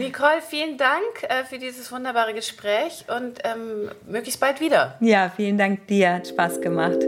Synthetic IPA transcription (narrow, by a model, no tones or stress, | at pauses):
nikʰɔlfiːləndaŋkʔɛːfyːɐdiːzəsv̥ʊndɐbaːʁ̞əɡəʃpʁ̥ɛːçʔʊntʔɛːmmøːklɪçstb̥altv̥iːdɐjaːfiːləndaŋk̚d̥iːɐhatʃpaːsɡ̥əma̰χt